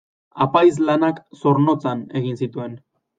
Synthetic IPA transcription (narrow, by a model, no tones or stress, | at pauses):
apajzlanakso̞ɾno̞t͡sane̞ɣinsit̪ue̞n